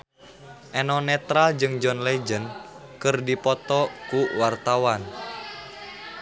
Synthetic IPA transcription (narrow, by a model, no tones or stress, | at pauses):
ʔɛnɔnɛt̪ɾald͡ʒɨŋd͡ʒɔnled͡ʒən | kɨrdipɔt̪ɔkuwart̪awan